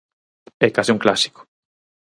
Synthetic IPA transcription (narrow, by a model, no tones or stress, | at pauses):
ɛkasiuŋklasi̥ko̥